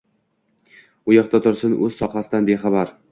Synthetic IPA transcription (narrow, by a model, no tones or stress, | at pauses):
ʊjɒqt̪at̪ʰʊɾsɪnʔɵz̥sɒχasɪd̪anbeχɑbaɾ